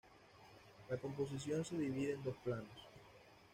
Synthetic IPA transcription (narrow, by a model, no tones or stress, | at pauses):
lako̞mp̬os̬is̬jo̞nse̞ðiβiðeːnd̪o̞splanos